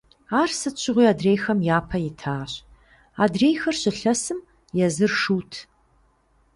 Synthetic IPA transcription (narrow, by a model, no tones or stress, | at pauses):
aːrsɨt͡ʃʰɪʁʷiːaːdreːjxɐmjaːpʰɐjɪtʰaːɕ | aːdreːjxɐrɕɪɬɐsɨm | jɛzɨrʂuːtʰ